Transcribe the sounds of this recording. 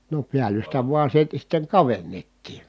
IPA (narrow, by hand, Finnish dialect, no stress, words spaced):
no piælˑystæ ʋuɑ siːtæ sitːeŋ kɑʋenːetːiː